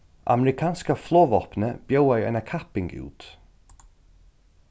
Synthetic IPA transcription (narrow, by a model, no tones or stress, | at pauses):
a̰mɛɾɪkʰaːnskəflˠɔːvɔpnəb̥jowajə̰nakʰapɪŋɡʉ̰ːt̪